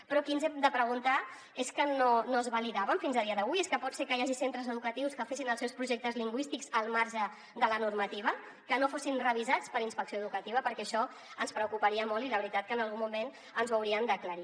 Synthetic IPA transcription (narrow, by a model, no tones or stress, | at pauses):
pɾɔkinzɛmd̪əpɾəɣunt̪a | eskənonoəzβəliðaβəɱfinzəðiəðəβuieskəpɔt̪sekəjaʒisent̪ɾəzəðukət̪iwskəfesinəlˠsɛwspɾuʒɛk̚t̪əzliŋɡwist̪ikzəlˠmaɾʒə | ðələnurmət̪iβ̞ə | kənofosinrəβ̞izat͡spəɾinspəksijoəðukət̪iβ̞əpəɾkɛʃɔ | ənspɾəukupəɾiəmolˠiləβɾit̪at̪̚kənəlɣumːumen | ənzβəwɾiənd̪əkləɾi